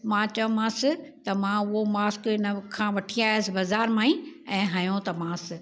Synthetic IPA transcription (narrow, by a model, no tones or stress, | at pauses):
mãːt͡ɕɐʋ̃mãːsɪt̪ɐmãʊɦomaːskɪnɐkʰːãːʋɐʈʰĩaːɪəsɪ̆bɐzaːɾmãːĩɛ̃ːɦajõt̪ɐmãːsɪ̆